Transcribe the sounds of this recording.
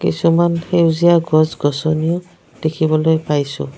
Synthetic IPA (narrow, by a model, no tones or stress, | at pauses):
kḭsumanxeuzijaɡɔzɡɔsɔnijɔ | d̥ekʰibɔlojpajsʊ̰̃